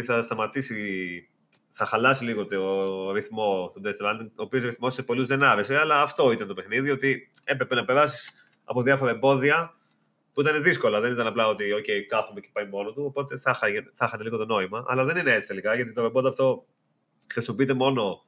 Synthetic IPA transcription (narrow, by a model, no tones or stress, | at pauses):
θɐst̪ɐmɐt̪isi | θɐxɐlɐsiliɣot̪ioɾiθmo̞t̪od̪est̪ɾɐnd̪iŋoːpio̞sɾiθmo̞sepo̞luzðe̞nɐɾe̞se̞ɐlɐːft̪o̞it̪ɐnt̪o̞pe̞xniðiot̪ie̞pɾe̞penɐpe̞ɾɐsi̥s | ɐ̰poðiɐfo̞ɾɐebo̞ðiɐ | puit̪̬ɐne̞ðisko̞lɐðe̞nit̪ɐnɐplɐo̞t̪io̞ce̞jkɐθume̞ce̥pɐjimo̞not̪uopo̞t̪e̞θɐxɐʝeθɐxɐneliɣo̞t̪o̞no̞imɐʔɐ̰lɐðe̞nineet͡ssi̥t̪e̞likɐʝɐt̪it̪oebod̪oɐft̪o̞ | xɾisimopiit̪e̞mo̞no̞